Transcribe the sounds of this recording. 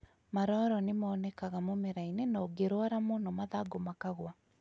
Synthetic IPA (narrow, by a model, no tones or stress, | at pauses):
maɾɔɾɔnemaːnɛkaɣamomeɾainenaoɡeɾwaɾamonɔmaðaɡomakaɣwa